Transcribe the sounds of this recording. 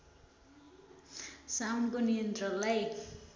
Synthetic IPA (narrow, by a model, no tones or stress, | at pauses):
sawnkonijʌnt̪rʌlːaj